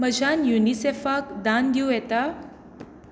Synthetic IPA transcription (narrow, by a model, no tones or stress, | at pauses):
məd͡ʑʱanjunisefakd̪and̪ujɛt̪a